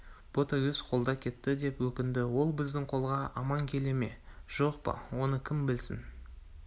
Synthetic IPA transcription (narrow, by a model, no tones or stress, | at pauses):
b̥o̞t̪ɑwɵzqʰo̞lˠd̪ɑkʲʰe̞t̪ːɪd̪e̞pwɵkʲɪnd̪ɪwo̞lˠbɪzd̪ɪŋqʰo̞lˠʁɑɑmɑŋkʲʰe̞le̞me̞ʒ̥o̞qpɑ̰wo̞nəkʲʰɪmbɪlsɪ̰n